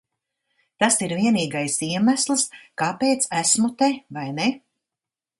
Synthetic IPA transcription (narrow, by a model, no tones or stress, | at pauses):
t̪asiɾviɛniːɡajsiɛmæslˠɨskaːpeːt̪sæsmut̪evajne